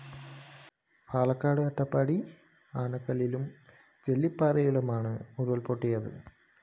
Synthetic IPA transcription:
paːlɐkːaːɽɨɐʈːɐpːɐɽi | aːɳɐkːɐlːilum | t͡ɕelːipːaːrɐjiɽɐmaːɳɨmuɾuɐlpoʈːijɐðɨ̰

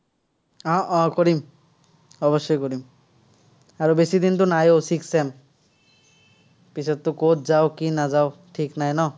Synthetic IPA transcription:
ɔʔɔ̃koɹim | ɔbɔʃːɔjkoɾim | aɹobesid̪int̪unajosiksem | pisɔt̪̚t̪ːukot̪ʰzaʊkinazaʊʈʰiknajnɔ

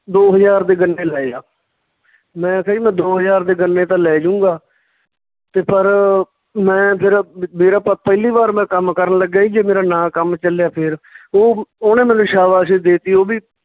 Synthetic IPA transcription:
d̪oːɦəzaːɾd̪eːɡənːeːlɛːa̰ː | mɛ̃ːsəiːmɛ̃ːd̪oːɦəzaːɾd̪eːɡənːeːt̪ãːlɛːd͡ʒʊ̃ːɡaː | t̪eːpəɾ | mɛ̃ːpʰɪɾmeːɾaːpəpəɪliːbaːɾmɛ̃ːkəmkəɾənləɡːaːiːd͡ʒeːmeːɾaːnãːkəmt͡ʃəlejaːpʰɪɾoːoːnẽːmɛ̃ːnũːʃaːʋaːs̬ed̪eːt̪iːoːbiː

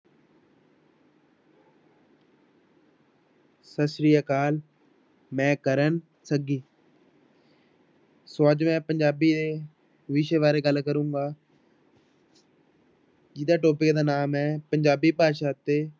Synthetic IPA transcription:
səsɾijaːkaːl | mɛ̃ːkəɾən | səɡiː | soːəd͡ʒmɛ̃ːpəɲd͡ʒaːbiːd̪eː | ʋiʃeːʋaːɾeːɡəlkəɾũːɡaː | d͡ʒɪd̪aːʈoːpɪkd̪aːnaːmɛːpəɲd͡ʒaːbiːpaːʃaːt̪eː

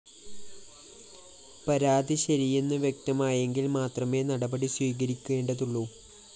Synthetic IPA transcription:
pɐɾaːd̪ʱiɕɐɾijenːɨʋje̞k̚t̪ɐmaːjeŋɡilmaːt̪rɐme̞ːnɐɽɐbɐɽiswiːɣɐɾikʲːue̞ːɳɖɐðuɭːuː

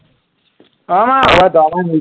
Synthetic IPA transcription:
amawadamani

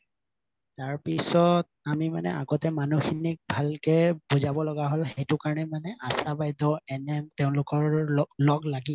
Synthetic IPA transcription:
taɹpisɔt̚ | amima̰nɛ̰ʔa̰ɡɔtɛmanuxinik̚bʱalkɛbozabɔlɔɡaɦolxejtʊkaɹɔnɛmanɛʔasabajdɔɛnɛtɛʊ̃lʊkɔɹlɔɡlaɡi

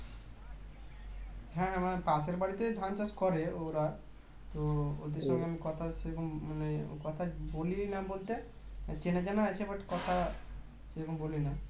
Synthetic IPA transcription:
ɦɛ̃amapaseɾbaɽit̪ed̪ʱant͡ʃaskɔɾeoɾa | t̪ood̪iɾsɔŋɡeamikɔt̪ʰasekɔmmanekɔt̪ʰabolinabolt̪e | ãt͡ʃenad͡ʒanat͡ʃʰebaʈːkɔt̪ʰa | sekumbolina

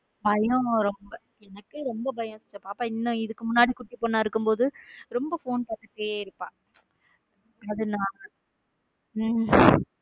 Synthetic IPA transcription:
bɐjɔ̃ɾɔmbɐ | ɛnɐkːɯɾɔmbɐbɐjɐ̃st͡ʃːɐpːaːpːaɪnːɐ̃ɪðɯkːɯmʊnːaːɽikʊʈːipːoːnːaːɪɾɯkːɯmpoːðɯɾɔmbɐfoːnpɐːʈːɐʈːeːɪɾɯpːã̰ː | ɐðɯnãː

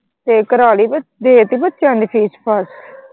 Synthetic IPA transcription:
t̪eːkəɾaːliːbəd̪eːt̪iːbət̪ːʃjãːnd̪iːpʰiːspʰəs

